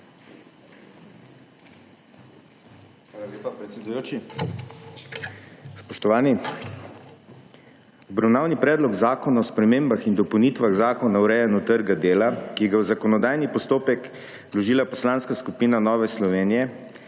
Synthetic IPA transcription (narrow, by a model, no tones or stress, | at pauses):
xʋaːlaleːpapɾɛt̪sɛd̪ujoːt͡ʃi | spɔʃt̪ɔʋaːni | ɔbɾawnaːwnipɾɛːd̪lɔɡzaːkɔnaɔspɾɛmeːmbaxind̪ɔpəwnit̪ʋaɣzaːkɔnawɾɛːjanut̪əɾɡad̪eːlakiɡawzakɔnɔd̪aːjnipɔst̪oːpɛk | lɔʒiːlapɔslanskaskupiːnanɔːʋɛslɔʋeːnijɛ